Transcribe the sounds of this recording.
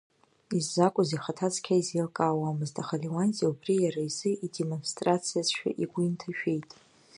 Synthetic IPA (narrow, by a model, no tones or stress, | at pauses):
izːakʷʼʊziχatʰat͡sʰʼkʲʰaizilkʼaːwamɨztʰʼaχaliwanzʼiubrijaɾaizɨʔidemonstʼrat͡sʰijasʃᶣa̰ʔiɡʷʊintʰaʃᶣe̞jtʼ